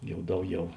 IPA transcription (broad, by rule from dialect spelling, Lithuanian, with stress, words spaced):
ˈjɛʊ ˈdɐʊˌɡʲɛʊ